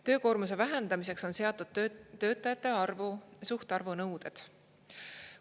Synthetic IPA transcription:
t̪ø̞ːko̞ːrmuse̞væɦe̞nd̪̥ɑmise̞kso̞nse̞ɑt̪ːˑud̪̥̚t̪ːø̞ːt̪ːˑɑjɑt̪ːˑe̞ɑrvusuht̪eɑrvunɤwd̪ed̪̥

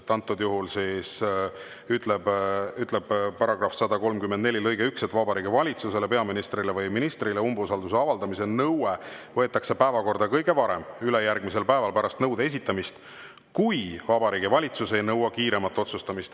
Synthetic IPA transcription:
t̪ːˑɑnt̪ːˑord̪̥juɦulsis | yt̪ˑlebyt̪ˑle̞b̥pɑɾɑɡ̥rɑfsɑd̪ɑko̞lmkymːend̪ne̞lʲilɤjɡ̥e̞ykset̪ːˑvɑbɑɾiːɡivɑlʲit̪suse̞le̞pe̞ɑminist̪ɾilevɯjminist̪rileumbusɑld̪us̬e̞ɑvɑld̪ɑmise̞nɤwevɤ̞et̪ːˑɑkse̞pæevɑko̞rd̪ɑkɤjɡ̥e̞vɑɾe̞̰myle̞jærɡ̥mise̞lpæevɑlpæɾɑst̪nɤwd̪ee̞s̬ʲit̪ːˑɑmist̪ | kujvɑbɑɾiːɡivɑlʲit̪suse̞jnɤwːɑkiːɾe̞mɑt̪ːˑo̞t̪sust̪ɑmist̪

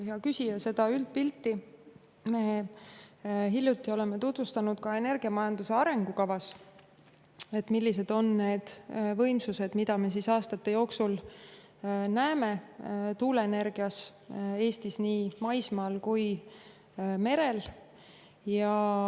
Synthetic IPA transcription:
heɑkysʲijɑse̞d̪̥ɑylt̪̚pilt̪ːi | meː | ɦilʲjut̪ˑːio̞le̞me̞t̪ut̪vust̪ɑnud̪̥kɑe̞ne̞rɡ̥iɑmɑjɑnd̪use̞ɑɾe̞ŋɡukɑvɑs | e̞t̪milːis̬e̞d̪̥o̞nːe̞ːd̪̥vɤ̞jmsuse̞d̪̥mid̪̥ɑme̞s̬isɑːst̪ɑt̪ːe̞jo̞ːksul | næeme̞t̪uːle̞ːne̞rɡ̥iɑse̞ːst̪isniːmɑjsmɑːlkuj | me̞ɾe̞l | jɑ

